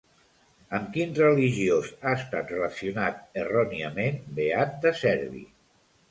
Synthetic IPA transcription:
əmkinrəliʒiozaəst̪at̪rələsiunat̪̚ərɔniəmenbeat̪̚d̪əsɛɾβḭ

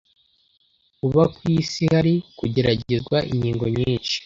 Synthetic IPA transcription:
kuβakwiːsihaɾikuɟe̞ɾaɟezɡwaʔḭɲiːŋɡo̞ɲiːnʃi̥

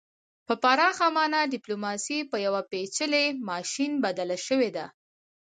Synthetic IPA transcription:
pəpaɾɑxamɑnaɖɪplomɑsipəjawapet͡ʃəlemɑʃinbad̪alaʃəwed̪a

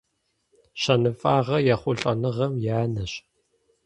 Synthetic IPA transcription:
ɕɐnɨfʼaːʁɐjɛχʷʊɬʼɐnɨʁɐmjaːnɐɕ

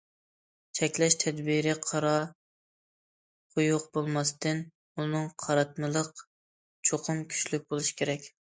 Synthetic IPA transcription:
t͡ʃʰɛkʲlɛʃt̪ʰɛd̪biɾɪqʰɑɾɑ | χʊjʊqbolˠmɑst̪ʰɨn | unɨŋqʰɑɾɑt̪̚mɨlˠəq | t͡ʃʰoqʰʊmkʲʰy̥ʃlyk̚ʲbolˠuʃi̥kʲʰeɾɛkʲ

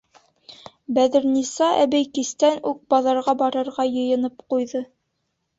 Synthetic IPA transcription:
bæðɘ̆ɾnisɑʔæ̰bɘjkist̪ænʉk̚bɑðɑɾʁɑbɑɾɤ̆ɾʁɑjɤ̆jɤ̆nɤpqujðɤ

